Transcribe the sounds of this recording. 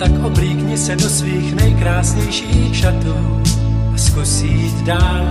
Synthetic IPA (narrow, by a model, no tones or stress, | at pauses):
t̪akʔobɾiːkɲɪsɛdosviːxnɛjkɾaːsɲɛjʃiːxʃat̪uː | ʔaskusiːt̪daːl